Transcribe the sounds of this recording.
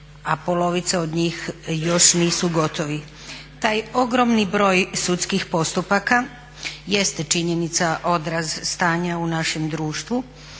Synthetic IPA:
apo̞lo̞ʋit̪seod̪ɲiːxjo̞ʃniːsuɡo̞t̪o̞ʋi | t̪aːjo̞ɡɾo̞mnibɾo̞ːjsut̪skixpo̞st̪upaka | jest̪t͡ʃiɲe̞nit̪saʔo̞d̪ɾazst̪aːɲaunaʃe̞md̪ɾuːʃt̪ʋu

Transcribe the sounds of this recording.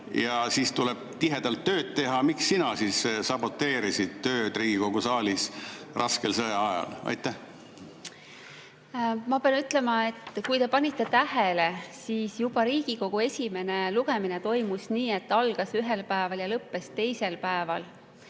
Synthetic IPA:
jɑsiːst̪uleb̥̚t̪iɦe̞d̪̥ɑlt̪ːø̞ːt̪̚t̪e̞ɦɑmiksːinɑsiːssɑb̥o̞t̪ːe̞ːɾisid̪̥̚t̪ø̞ːd̪̥riːɡ̥iko̞ɡusɑːlisrɑskelsɤjɑɑjɑ̰lɑ̰jt̪ːæh | mɑpeɑnyt̪ːˑle̞mɑe̞t̪ːˑkujt̪e̞pɑnʲit̪ːˑe̞t̪æɦele̞siːsjub̥ɑɾiːɡ̥iko̞ɡ̥ue̞sʲime̞ne̞luɡ̥eminet̪o̞jmusniːe̞t̪ːɑlɡ̥ɑsyɦe̞lpæevɑljɑlɤpːe̞st̪e̞jse̞lpæevɑl

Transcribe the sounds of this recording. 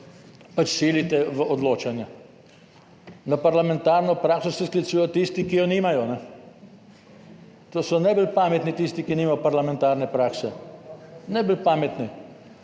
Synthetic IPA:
pat͡ʃsilit̪ɛʋəʔɔd̪loːt͡ʃanja | napaɾlamɛ̃nt̪aɾnɔpɾaːksɔsɛsklit̪suːjɔt̪ist̪ikijɔniːmajɔnɛ | t̪oːsɔnajbəlpaːmɛt̪nit̪ist̪ikiniːmajɔpaɾlamɛ̃nt̪aːɾnɛpɾaːksɛ | najbəlpaːmɛt̪ni

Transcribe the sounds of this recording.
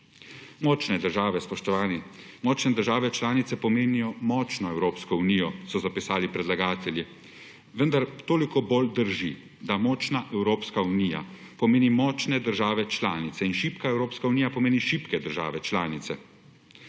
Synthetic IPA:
mɔːt͡ʃnɛd̪əɾʒaːʋɛspɔʃt̪ɔʋaːni | mɔːt͡ʃnɛd̪əɾʒaːʋɛt͡ʃlaːnit̪sɛpɔmeːnijɔmɔt͡ʃnɔɛwɾoːpskɔunijɔsɔzapisaːlipɾɛd̪laɡaːt̪ɛlji | ʋənd̪aɾt̪oːlikɔbold̪əɾʒi | d̪amɔːt͡ʃnaʔɛwɾoːpskaunija̰ | pɔmeːnimɔt͡ʃnɛd̪əɾʒaːʋɛt͡ʃlaːnit̪sɛinʃiːpkaɛwɾoːpskauniːjapɔmeːniʃipkɛd̪əɾʒa̰ːʋɛt͡ʃlaːnit̪sɛ

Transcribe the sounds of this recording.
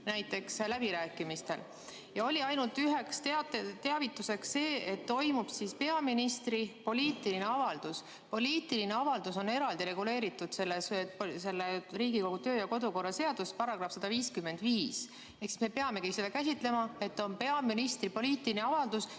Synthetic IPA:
næjt̪ːˑe̞kslæbiɾæːkːˑimist̪e̞̰l | jɑo̞lʲiɑjnult̪yɦe̞kst̪eɑt̪et̪eɑvit̪ːˑuse̞ksse̞ːet̪ːo̞jmub̥sispe̞ɑminist̪ɾipo̞lʲiːt̪ːˑiline̞ɑvɑld̪̥us | po̞lʲiːt̪ilineɑvɑld̪̥uso̞ne̞ɾɑld̪iɾe̞ɡule̞ːɾit̪ːˑud̪̥se̞lːespse̞lːeriːɡiko̞ɡut̪øːjɑko̞d̪uko̞rːɑse̞ɑd̪̥uspɑɾɑɡ̥rɑfsɑd̪̥ɑviːskymːe̞nd̪̥viːs | e̞hksi̥sme̞pe̞ɑme̞kiised̪ɑkæs̬ʲit̪ˑle̞mɑe̞t̪ːo̞npe̞ɑminist̪ripo̞liːt̪ˑiineɑvɑld̪̥us

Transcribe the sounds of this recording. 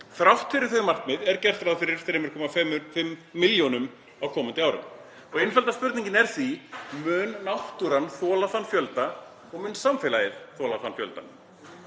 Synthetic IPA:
θɾawht̪fɪɾɪɾ̥θɪðmar̥kmɪðɛɾcɛr̥t̪ɾaðfɪɾɪɾ̥θɾɪmʏɾ̥kʰɔːmafɛfɪmːɪljɔnʏm | awkʰɔːmant̪ɪaːwɾʏ̰m | ɔɣejnfɛlt̪aspʏɾt̪niɲcɪnɛɾ̥θvimʏːnːaht̪uɾanθɔːlaθanfjœlt̪a | ɔɣmʏnsamfɪlajɪðθɔːlaθanfjœ̰lt̪a̰n

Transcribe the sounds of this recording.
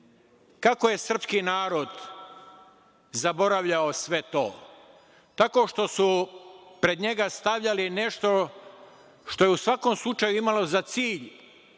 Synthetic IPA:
kakoje̞sr̩pskiːnaːɾo̞d̪ | zabo̞ɾaʋʎaosʋe̞t̪o̞ː | t̪ako̞ʃt̪o̞supɾe̞d̪ɲe̞ɡast̪aʋʎaline̞ʃt̪o̞ | ʃt̪ojeusʋako̞ːmslˠut͡ʃajuimalo̞zat̪siːʎ

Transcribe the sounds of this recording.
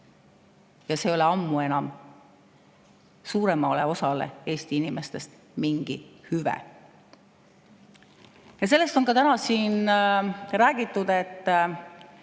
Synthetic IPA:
jɑse̞ːo̞leɑmːue̞nɑm | suːɾe̞mɑleo̞sɑlḛe̞ːst̪iinime̞st̪e̞st̪ | miŋɡ̥ihyvḛ | jɑs̬e̞lːest̪o̞nkɑt̪ænɑsiːn | ɾæːɡ̥it̪ːˑud̪̥e̞t̪ˑː

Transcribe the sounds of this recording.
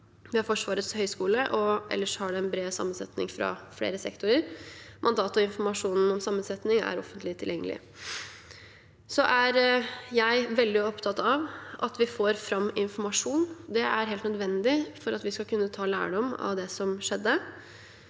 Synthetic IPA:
ʋɪhɑɾfɔʂʋɑːɾət̪shœʏskuːləʔɔʔɛ̰lːəʂɔhɑɖɛɛnbɾeːsɑ̰mːənsɛ̰t̪nɪ̰ŋfɾɑ̰flḛːɾəsɛ̰kt̪ʊɾəɾmʔɑnd̪ɑːt̪ɔɪnfɔmɑʂuːnn̩ɔmsɑmːənsɛt̪nɪŋæ̰ɾɔfənt̪ʰlɪt̪ʰɪljɛŋːəlɪ̰ | sɔʔæɾjæɪʋɛld̪ɪɔpt̪ʰɑt̪ɑʋʔɑt̪ʋɪfoːɾfɾɑmːɪnfɔɾmɑʂuːnd̪ɛæɾɦeːlt̪nəd̪ʋɛnd̪ɪfɔɾɑt̪ʋɪskɑkʰʉnːət̪ʰɑːlæ̰ːɖɔmɑ̰ʋd̪ɛsɔmʂɛd̪ːə

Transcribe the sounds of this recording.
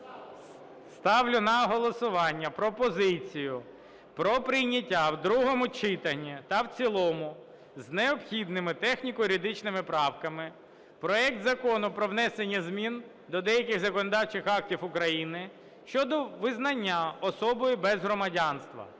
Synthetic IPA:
st̪ɑwlʲʊnɐɦɔlˠɔsʊʋɑnʲːɐpɾɔpɔzɪt͡sʲijʊ | pɾɔpɾɪjnʲɐtʲːawd̪ɾuɦɔmʊt͡ʃɪt̪ɐnʲːit̪ɐwt͡sʲilˠɔmʊ | zneɔpxʲid̪nɪmɪt̪ɛxnʲikɔjɾʲid̪ɪt͡ʃnɪmɪpɾɑwkɐmɪ | pɾɔɛk̚t̪zɐkɔnʊpɾɔwnɛsenʲːɐzmʲin | d̪ɔd̪ɛjɐkʲɪxzɐkɔnɔd̪ɑwt͡ʃɪxɑk̚tʲiwʊkɾɐjinɪ | ʃt͡ʃɔd̪ɔʋɪznɐnʲːaɔsɔbɔjʊbɛzɦɾɔmɐdʲɑnst̪ʋɐ̰

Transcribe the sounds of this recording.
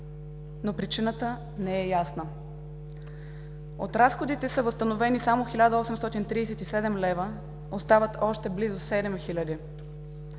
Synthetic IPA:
nopɾit͡ʃinət̪ə | nɛɛjasnə | ot̪ɾasxod̪it̪ɛsəvəst̪ənovɛnisamoxilʲad̪əɔsɛmst̪ɔt̪int̪ɾiːsɛt̪isɛd̪ɛmlɛvə | ost̪avət̪ɔʃt̪ɛblizʊsɛd̪ɛmxilʲəd̪i

